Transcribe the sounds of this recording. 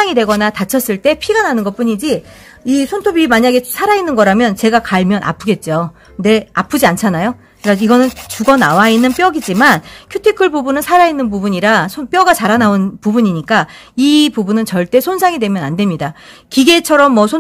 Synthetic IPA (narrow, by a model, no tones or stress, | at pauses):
aŋidwe̞ɡʌnatat͡ɕʰʌs͈ɯɭt͈e̞pʰiɡananɯnɡʌt̚p͈uɲid͡ʑi | isʰontʰobimaɲaɡe̞sʰaɾainːɯnɡʌɾamjʌnt͡ɕe̞ɡakaɭmjʌnʔa̰pʰɯɡe̞t̚t͡ɕ͈o | de̞apʰɯd͡ʑiant͡ɕʰanajo | kaiɡʌnɯnt͡ɕuɡʌnawainːɯnp͈jʌɡid͡ʑimankʰjutʰikʰɯɭbubunɯnsʰaɾainːɯnpubuɲiɾasʰop͈jʌɡat͡ɕaɾanaonpubuɲiɲik͈a | ipubunɯnt͡ɕʌɭt͈e̞sʰonsʰaŋidwe̞mjʌnandwe̞mɲidakiɡe̞t͡ɕʰʌɾʌmːʌsʰon